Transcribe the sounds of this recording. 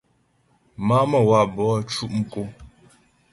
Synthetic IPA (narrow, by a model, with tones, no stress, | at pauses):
ma˦mə˨wa˦˨ʔbɔ˨˦˨t͡ʃu˦ʔŋ̩˨ko˦